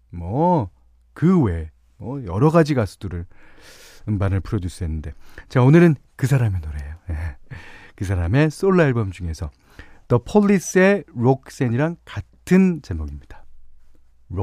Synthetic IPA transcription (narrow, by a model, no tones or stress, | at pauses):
mwʌ | kɯwe̞ | mwʌjʌɾʌɡad͡ʑiɡasʰu̥duɾɯɭ | ɯmbanɯɭpʰuɾʌdus͈ʰɯɦenːɯnde̞t͡ɕaonɯɾɯnkɯsʰaɾamenoɾejoje | kɯs̬ʰaɾame̞s͈oɭːaiɭbʌmd͡ʑuŋe̞sʰʌ | tʌpʰoʎːis͈e̞ɾok̚s͈eɲiɾaŋkatʰɯnt͡ɕemoɡimɲid̥a | ɾo